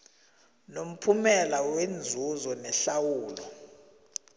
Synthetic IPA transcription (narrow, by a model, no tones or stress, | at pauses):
nom̩pʰumɛlawend͡zʱuzɔnɛɬawuːlɔ